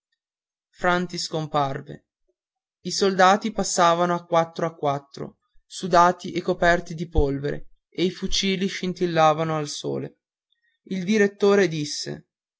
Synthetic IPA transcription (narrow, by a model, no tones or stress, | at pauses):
fɾant̪iskomparvḛ | isold̪aːt̪ipasːaːvanoakːwat̪ːɾoakːwat̪ːɾo̰ | sud̪aːt̪iʔekːopɛrt̪id̪ipolveɾḛ | eifut͡ʃiːliʃint̪ilːaːvanoalso̰ːlḛ | ild̪iɾet̪ːoːɾed̪isːḛ